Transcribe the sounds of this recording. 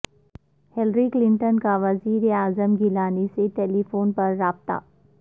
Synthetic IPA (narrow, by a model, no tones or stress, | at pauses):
hɛlɾiklɪ̃ɳʈənkaʋɐziːɾeaːzəmɡɪlaːneseʈeːlifoːnpɐɾːaːb̚t̪a̰ː